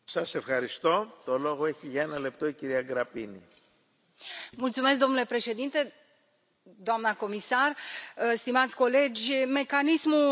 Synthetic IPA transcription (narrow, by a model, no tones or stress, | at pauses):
sɐse̞fxɐɾist̪o̞t̪o̞lo̞ɣo̞e̞çiʝɐe̞nɐle̞pt̪o̞iciɾiɐɡɾɐpini | mult̪sume̞s̬k̚d̪omnule̞pɾe̞ʃe̞d̪int̪e̞ | d̪oamnəko̞misarst̪imat̪sʲko̞le̞d͡ʒʲme̞kanismu